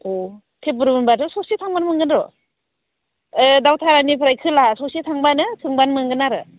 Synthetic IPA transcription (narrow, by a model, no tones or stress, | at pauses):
o | tʰep̚bɯɾɯɯnbatʰɯsɔsitʰaŋbanmɯŋɡɯnɾɔ | ɯdawtʰaɾanipʰɯɾajkʰɯlasɔsitʰaŋbanɯkʰɯŋbanmɯŋɡɯnaɾɯ